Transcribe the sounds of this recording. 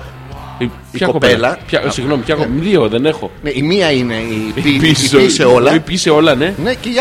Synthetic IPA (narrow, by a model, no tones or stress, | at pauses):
i | çɐkopeelɐpçɐsiɣno̞mipçɐkomiðioðe̞ne̞xo̞neimiɐine̞iipioseolɐipiseo̞lɐne̞neceʝɐ